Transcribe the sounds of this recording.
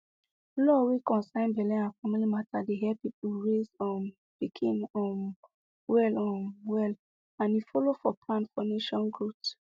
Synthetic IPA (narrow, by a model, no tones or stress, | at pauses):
lɔwikɔ̃nsãɪ̃nbɛlɛ̃afamilimatadeɦɛpip̚uɹezɔ̃n | pikʰĩnɔ̃n | wɛlɔ̃nwɛl | ãnjifɔlofɔpʰlãnfɔneʃɔ̃nɡɹut